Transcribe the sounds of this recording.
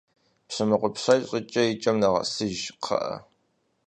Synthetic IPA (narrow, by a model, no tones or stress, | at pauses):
pɕɐmɨqʷʊpɕajɕʼɪt͡ʃʼɐit͡ʃʼɐmnaʁɐ̰sɨʒqʰɐ̰ʔɐ̰